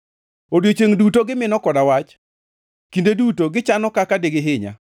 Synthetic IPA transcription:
odjot͡ʃeŋdutoɡɪmɪnɔkɔdawat͡ʃ | kindedutoɡɪt͡ʃanɔkakadeɡɪɦɪɲa̰

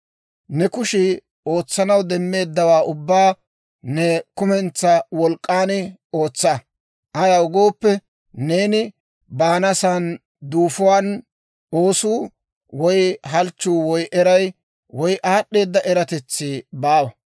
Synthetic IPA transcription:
nɛkʊʃɪ | o̞ːt͡sːɐnɐwd̪ɛmːe̞ːd̪ːɐwaːʔʊbːaː | nɛkʊmɛnt͡sːɐwɔlkʼːaːnɪ | o̞ːt͡sːɐ | ʔɐjɐwʊɡo̞ːpːɛ | ne̞ːnɪ | baːnɐsan | d̪uːfʊwaːn | o̞ːsuː | wɔjɦɐlt͡ʃːuːwɔjʔɛɾɐj | wɔjʔaːɗːe̞ːd̪ːɐʔɛɾɐt̪ɛt͡sːibaːwɐ

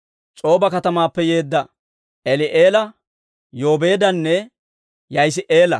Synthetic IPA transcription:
t͡ʃʼo̞ːbɐkɐt̪ɐmaːpːɛje̞ːd̪ːɐ | ʔɛlɪʔeːlɐ | jo̞ːbe̞ːd̪ɐnːɛ | jɐjs̬ɪʔeːlɐ̰

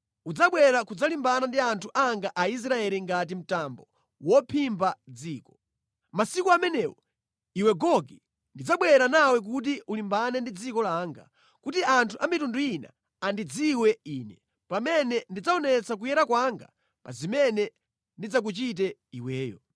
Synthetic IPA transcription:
ud͡zaɓwɛɾakud͡zalimbanandiantʰuʔaŋɡaʔais̬ɾaɛliŋɡat̬im̩tambɔ | wɔpʰimbad͡ziːkɔ̥ | masikuamɛnɛwɔ | iwɛɡɔɡi | ndid͡zaɓwɛɾanawɛk̬ut̬iulimbanɛndid͡zikɔlaːŋɡa̰ | kutiantʰuʔamitunduina̰ | andid͡ziwɛiːnɛ | pamɛnɛndid͡zaɔnɛt͡sak̬ujɛɾakwaŋɡa̰ | pa̰zimɛnɛ | ndid͡zak̬ut͡ʃit̬ɛiwɛːjɔ̰

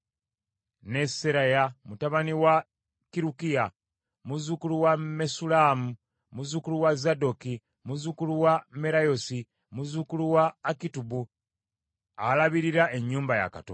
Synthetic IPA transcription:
ne̞seɾajamutaβaniwa | kiɾukija | muzukuluwame̞sulamu | muzukuluwazado̞ki | muzukuluwame̞ɾajo̞si | muzukuluwaːkitubu | alaβiɾiɾae̞ɲːuːmbaja̰ka̰to̰

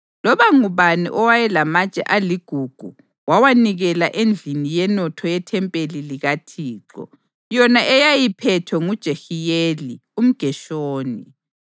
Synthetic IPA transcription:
lɔβaŋuβanḭʔɔwajɛlamat͡ʃʼɛ̰ʔaliɡ̥ʱuɡ̥ʱu | wawaniɣɛlaʔend͡ɮʱinijɛnɔtʰɔjɛtʰɛmpʼeliliɣatʰiːǁɔ̰ | jɔnaʔɛjajipʰɛtʰɔŋud̥ʒ̥ʱexijelium̩ɡ̥ʱɛʃoːni

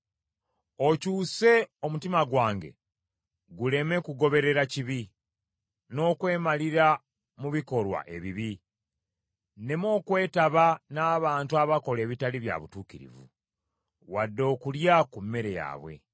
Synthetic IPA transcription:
o̞cuːse̞o̞mutimaɡwaːŋɡe̞̰ | ɡule̞me̞kuɡo̞βe̞ɾe̞ɾaciβi | no̞ːkwe̞ːmaliɾa | muβiko̞lwa̰ʔe̞βiβi | ne̞mo̞ːkwe̞ːtaβanaːβaːntuaβako̞le̞ːβitaliβja̰βutuːkiɾḭvṵ | wadːo̞ːkuljakumːe̞ɾe̞ja̰ːβwe̞̰

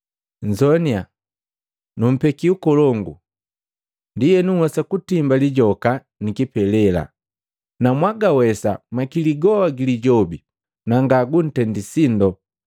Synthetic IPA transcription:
ɲ̩d͡ʒɔnia | num̩pɛkiukɔlɔŋɡṵ | ndijɛnuhwasakutimbaliɟɔka | nikipɛlɛla̰ | namwaɡawɛsa̰makiliɡɔaɡiliɟɔbi | naŋɡaɡun̩tɛndisindɔ

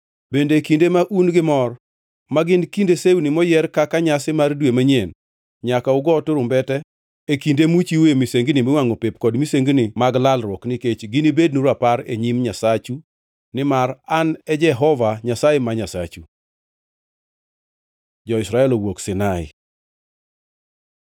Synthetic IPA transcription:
bendekindemaʔunɡɪmɔr | maɡɪnkindeseunimɔjɛrkakaɲasɪmardwemaɲen | ɲakaʊɡɔtoɾʊmbɛtɛ | ekindemut͡ʃiwemiseŋɡnɪmɪwaŋopepkɔdmiseŋɡnimaɡlalɾwɔknɪket͡ʃɡɪnibed̚nuɾapaɾḛɲimɲasat͡ʃu | nɪmaranɛd͡ʒɛɦɔvaɲasajemaɲasa̰t͡ʃu | d͡ʒɔɪsɾaɛlowoksɪnaɪ̰

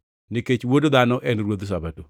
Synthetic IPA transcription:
nɪket͡ʃwodod̪anɔʔɛnɾwod̪s̬abato

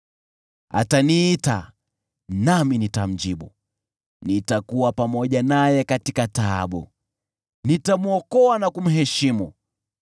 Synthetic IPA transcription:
a̰taniːta | naminitam̩d͡ʒiɓu | nitakuwapamɔʄanajɛkatikata̰ːɓṵ | nitamuɔkɔanakum̩ɦɛʃimu

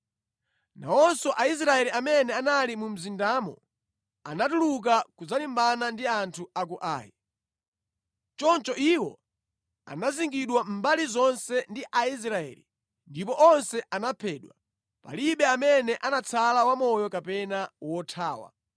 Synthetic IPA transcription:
na̰wɔnsɔʔais̬ɾaɛliamɛnɛanalimum̩zindamɔ̰ | anatuluk̬akuzalimbanandiantʰuak̬uʔa̰ːji | t͡ʃɔnt͡ʃɔʔiwɔ̰ | a̰naziŋɡiɗwam̩balizɔnsɛndiʔais̬ɾaɛ̰ːlḭ | ndipɔʔɔnsɛʔanapʰɛːɗwa | pa̰liɓɛamɛnɛʔanat͡sʰalawamɔjɔkapɛnawɔtʰaːwa̰

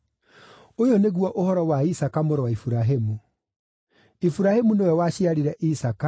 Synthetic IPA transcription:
ojoneɣwɔʔohɔɾɔwaisakamoɾɔwaifuɾaɦemu | ifuɾahemunewɛwaɕiaɾeɾɛʔisaka

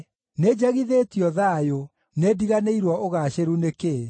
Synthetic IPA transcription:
ned͡ʑaɣiðetjɔðajo | nediɣaneiɾwɔʔoɣaːɕeɾuneke

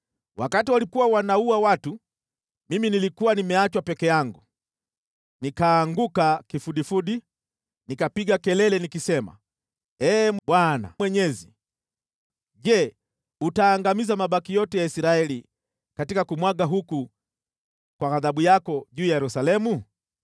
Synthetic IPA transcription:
wʔakatiwalikuwawanauawatu | miminilikuwanimɛat͡ʃwapɛkɛjaŋɡu | nikaːŋɡukakifuɗifuɗi | nikapiɡakɛlɛlɛnikisɛma̰ | ɛːɓwana̰wɛɲɛzi | ʄɛ | utaːŋɡamizamaɓakijɔtɛjaisiɾaɛli | katikakumwaɠaɦuku | kwaɣaðaɓujakɔʄuːjajɛɾusalɛmu

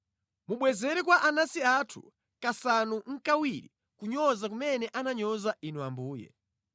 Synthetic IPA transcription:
muɓwɛzɛɾɛkwaʔanasiatʰu̥̰ | kasanuŋ̩kawiɾḭ | kuɲɔzak̬umɛnɛʔanaɲɔzaʔinuambuːjɛ̰

